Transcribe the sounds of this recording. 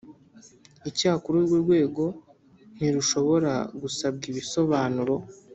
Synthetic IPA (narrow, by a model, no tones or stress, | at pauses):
icaːkuɾuɾɡuɾɡwe̞ːɡo̞ | n̥iɾuʃo̞βo̞ɾa̰ɡusab̚ɡiβiso̞βaːnuɾo̞